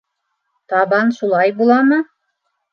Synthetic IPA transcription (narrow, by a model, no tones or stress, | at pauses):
t̪ɑβɑnʃulˠɑjbulˠɑmɤ